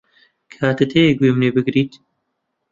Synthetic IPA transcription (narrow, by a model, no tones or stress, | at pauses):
kʰaːt̪ɨt̪ʰeːjeɡwemneːbɨɡɾiːt̪